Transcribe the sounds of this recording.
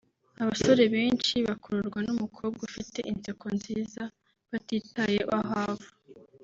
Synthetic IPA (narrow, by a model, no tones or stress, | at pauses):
aβaso̞ɾe̞βeːnt͡ʃiβakuɾuɾɡwanumukʰo̞ːb̚ɡaufite̞̰ʔinsekonziːza | βatiːtajeʔaɦaːvo